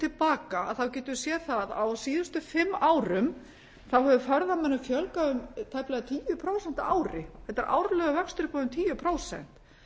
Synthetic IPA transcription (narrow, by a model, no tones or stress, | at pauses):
t̪ʰɪlpaːkaa̰ðθawcɛːt̪ʏ̥sjɛθaða̰wsiːðʏst̪ʏfɪmːaːwɾʏm | θawɦɛvʏfœɾðamɛnːʏfjœlkaʏmt̪ʰajplɛɣat̪ʰiːjʏpʰɾoːwsɛn̥t̪aaːwɾɪθɛt̪ɛɾʔa̰ːwɾlœɣʏvœkst̪ʏɾɪpɔðʏmt̪ʰiːjʏpʰɾoːwsɛ̰n̥t̪